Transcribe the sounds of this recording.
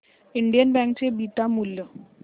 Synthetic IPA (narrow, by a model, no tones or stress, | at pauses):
iɳɖijənbɛŋkt͡ɕebit̪amuljo